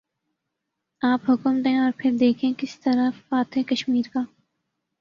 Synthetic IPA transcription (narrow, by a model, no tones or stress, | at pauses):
aːpɦʊkəmd̪ẽɔːɾpʰɪɾd̪eːkʰẽkɪst̪ɐɾafaːt̪ɦɛkɐʃmiːɾkaː